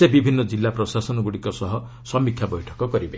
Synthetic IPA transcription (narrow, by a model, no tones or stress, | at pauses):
ebibʱinːɔd͡ʒilːapɾɔsasɔnɔɡuɽikɔsɔɦɔ | sɔmikʰjabɔjʈʰɔ̥kɔkɔɾibe